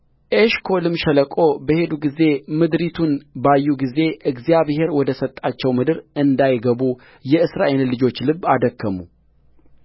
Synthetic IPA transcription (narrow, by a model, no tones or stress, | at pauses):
ʔeʃkʰo̞lɨmʃɛləkʼo̞bəhe̞d̪uɡize̞mɨd̪ɾit̪ʰunbajːuɡize̞ʔɨɡzijaβhe̞ɾwɔd̪əsət̪ʼːat͡ʃːɛwmɨd̪ɨɾʔɨnd̪ajɡəβu | jɛɨsɾaʔe̞llɨd͡ʒo̞t͡ʃːlɨbad̪əkːəmu